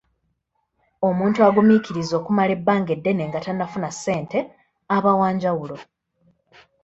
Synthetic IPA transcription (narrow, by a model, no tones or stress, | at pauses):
o̞muːntuaɡumiciɾizo̞ːkumale̞bːaːŋɡe̞dːe̞ne̞ŋɡatanːafunasːe̞ːnte̞ | aβawaːɲɟawulo̞